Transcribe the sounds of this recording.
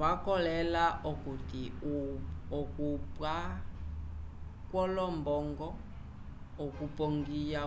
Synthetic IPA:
βakɔlɛlaʔɔkuti | ɔkupwa | kwɔlɔmbɔŋɡɔː | kupɔŋɡija

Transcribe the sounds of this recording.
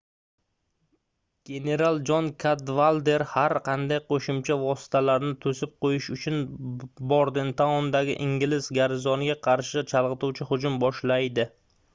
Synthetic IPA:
ɡ̥ʲe̞ne̞ɾalˠd͡ʒɒnkʰad̪valˠd̪e̞ɾhaɾqɑnd̪ajqʰoʃʊmt͡ʃʰavɒsɪ̥t̪ʰalaɾnɪt̪ʰɵsɪp̚qʰojɪʃʊt͡ʃʰʊnbɒɾd̪ɪnt̪ʰaɒnd̪aɡʲɪ̰ʔɪŋɡʲɪlɪsɡʲaɾɪzɒnɪɡʲaqʰɑɾʃɪt͡ʃʰalˠʁɨt̪uwt͡ʃʰɪhʊd͡ʒʊmbɒʃlajd̪ɪ

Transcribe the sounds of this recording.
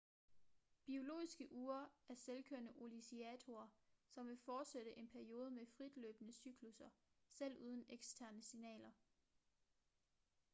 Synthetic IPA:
b̥io̝lo̝̰ːisɡ̥əʔuːɐæɐselkʰøɐnəʔo̝lisiɛt͡sʰo̝ɐsɒ̽mʋe̝fɒːd̥seɾ̥əʔe̝npʰæɐio̝ːð̞ˠəmefʁid̥lø̰ːb̥ənəsyɡ̥ʰlusɐsel̰uːð̞ˠən̩eɡ̥sd̥ʰæɐnəsinɛ̰ːlɐ

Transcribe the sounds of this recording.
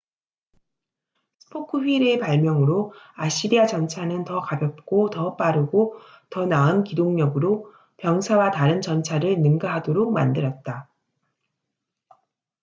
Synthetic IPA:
sʰɯ̥pʰokʰɯɸɥiɾepaɭmjʌŋɯɾoaɕ͈iɾiat͡ɕʌnt͡ɕʰanɯntʌkabjʌp̚k͈otʌp͈aɾɯɡo | tʌnaɯnkidoŋɲʌɡɯɾo | pjʌŋsʰawataɾɯnt͡ɕʌnt͡ɕʰaɾɯɭnɯŋɡaɦadoɾok̚ma̰ndɯɾʌt̚t͈a

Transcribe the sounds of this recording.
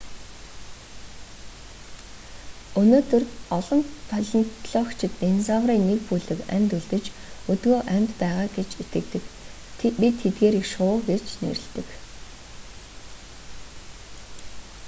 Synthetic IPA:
ɵnoːt̪ɵ̆rɔɮɞ̆npʰœɮɞ̆nt̪ɮɔːkt͡ɕʰɪ̆t̪nensawriːnːekpujɮɘ̆kæ̰mʲt̪uɮt̪ɘ̆t͡ɕɵt̪ɡoːʔæmʲt̪pæːʁaːɡet͡ɕet̪ɡɘ̆kt̪ɘ̆kʰ | pit̪ʰːet̪̚ɡeːɾikʃʊːɡet͡ɕnḛɾɘ̆ɮt̪ɘ̆k

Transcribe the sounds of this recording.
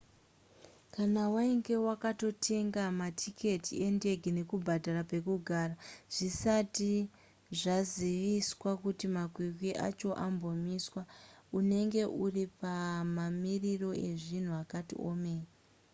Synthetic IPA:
kanawaiŋɡe̞wakato̞tʰe̞ŋɡamatʰikʰe̞tʰie̞nde̞ɡʱine̞kubʱadʱarape̞kuɡʱaːraʐ̥isati | ʐaziʋiswakutimakwikwiʔa̰t͡ʃo̞ʔambo̞miswaune̞ŋɡe̞ʔuripamamiriro̞e̞ʐin̤uakatḭʔomeːja

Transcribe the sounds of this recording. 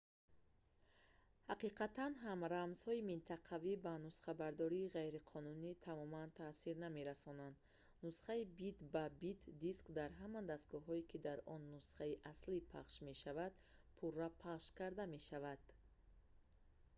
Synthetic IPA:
haqiqat̪anɦamɾamz̥hɔimint̪ʰaqʰavibanusχabaɾd̪ɔɾiːʁajɾiqʰɔnunit̪ʰamɔmant̪ʰasiɾname̞ɾasɔnand̪ | nusχaibid̪babit̪d̪iskd̪aɾɦamand̪ast̪ɡɔɦɔikʰid̪aɾɔnːusχaiʔaslipʰa̰χʃme̞ʃavad̪̥ | pʰurapʰaχʃkaɾd̪ame̞ʃavad̪̥

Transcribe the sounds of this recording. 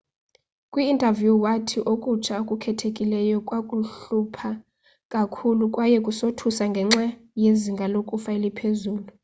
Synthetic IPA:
kʼwiːntʼavjuwatʰiʔokʼut͡ʃʰaokʼukʰɛtʰekʼilɛjɔkʼwakʼuɬupʰa | kʼakʰulukʼwajɛkʼusotʰusaŋɡʱɛŋ͡ǁajeziŋɡʱalokʼufailipʰezuːlu

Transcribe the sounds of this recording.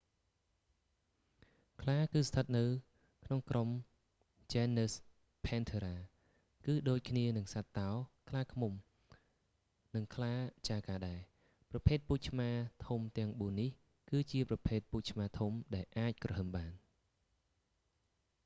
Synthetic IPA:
kʰlaːkɨːst̪ʰət̪̚nɨw | kʰnoŋkrom | t͡ɕɛːnːəːs | pʰɛːnt̪ʰeɾaː | kɨːɗoːc̚kʰniənɨŋsat̪ːaɔkʰlaːkʰmum | nɨŋkʰlaːt͡ɕaːkaːɗaɛ | prɑpʰeːt̪̚puːc̚t͡ɕʰmaːt̪ʰumt̪ɛ̆əŋɓuənːih | kɨːt͡ɕiəprɑpʰeːt̪̚puːc̚t͡ɕʰmaːt̪ʰumɗaɛlʔaːc̚krɔhəmɓaːn

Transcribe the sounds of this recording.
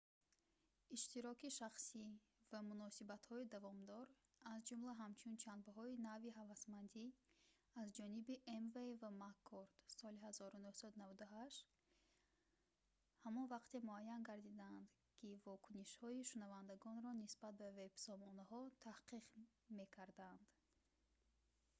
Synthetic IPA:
iʃt̪iɾɔkiʃaχsi | vamunɔsibat̪hɔid̪avɔmd̪ɔɾ | azd͡ʒumlaɦamt͡ʃʰunt͡ʃʰanbaɦɔinaviɦavasmand̪i | azd͡ʒɔnibiʔemvevamakʰːoɾd̪̥sɔlihazɔɾunuhsad̪unavad̪aɦaʃt̪ | hamɔnvaqt̪e̞muajːanɡaɾd̪id̪and̪ | kʰivɔkʰuniʃhɔiʃunavand̪aɡɔnɾɔnisbat̪̚bave̞b̥sɔmɔnaɦɔt̪ʰahqiq | me̞kʰaɾd̪and̪̥

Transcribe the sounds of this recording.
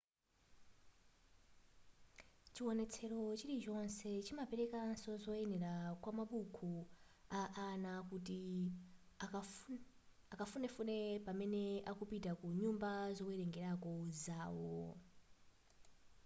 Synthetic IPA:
t͡ʃiwɔnɛt͡sʰɛɾot͡ʃiɾit͡ʃɔnsɛt͡ʃimapeɾɛkansɔzɔɛnɛɾakwamaɓukʰu | aʔːnakuti | akafunɛfunɛpamɛneakupitakuɲumbazokuɛɾɛŋɡɛɾakozaːwo̰

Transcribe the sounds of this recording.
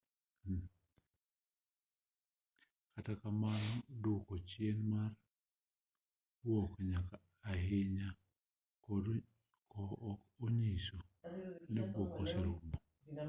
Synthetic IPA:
katakamanɔdʊkɔt͡ʃjenmar | wokɲakaː | ɦɪɲa | kɔːk | oɲisonɛbokosalʊmbɔ

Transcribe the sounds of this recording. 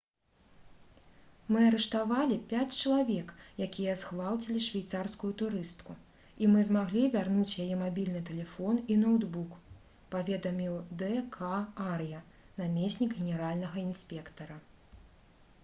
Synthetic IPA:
mɨɐɾɛʂt̪avalʲipʲat͡sʲt͡ʃɐlˠavʲɛkjakʲijɐsxvalˠt͡sʲilʲiʂvʲajt̪sarskujut̪uɾɨst̪ku | imɨzmaɣlʲivʲarnut͡sʲjajɛmabʲilʲnɨt̪ɛlʲɛfɔninɔwd̪buk | pavʲɛd̪ɐmʲiwd̪ɛkʰaarjɐ | namʲesʲnʲiɡɣʲɛnʲɛɾalʲnɐɣɐinsʲpʲɛkt̪ɐɾɐ

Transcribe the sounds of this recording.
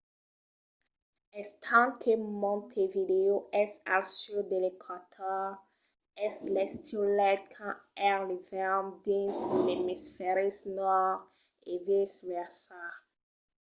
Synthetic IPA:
ɛst̪ʰãŋkʰemɔ̃nt̪ʰevideoʔɛsa̰lsyd̪elekʰat̪ʰɔ | ɛslɛst̪ʰilɛt̚kʰãɛʁlivɛmdĩnslemisfɛɾisnɔʁ | evisvɛʁsa

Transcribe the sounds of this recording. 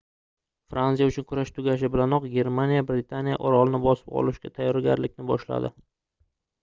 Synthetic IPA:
fɾansijaʊt͡ʃʰʊnkʰʊɾaʃt̪ʰʊɡʲaʃ̬ɪbɪlanɒqɡʲe̞ɾmanijabɾɪt̪ʰanija̰ʔɒɾɒlˠnɪbɒsɪ̥p̚ɒ̰lˠɪʃɡʲat̪ʰajːɒɾɡʲaɾlɪkʲnɪbɒʃla̰d̪ɪ

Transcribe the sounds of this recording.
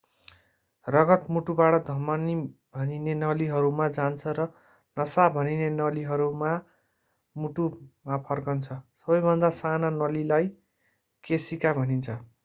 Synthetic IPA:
rʌɡʌt̪muʈubaʈʌd̪ʱʌmʌnibʱʌninenʌliɦʌɾumad͡zant͡sʰʌɾʌ | nʌsabʱʌninenʌliɦʌɾuma | muʈumapʰʌrkʌnt͡sʰʌsʌbʌjbʱʌnd̪asananʌlilaj | kesikabʱʌnint͡sʰʌ

